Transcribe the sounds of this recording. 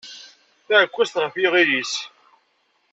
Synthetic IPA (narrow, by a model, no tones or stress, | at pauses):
θæʕəkʷːæst̪ʁəfiʁilis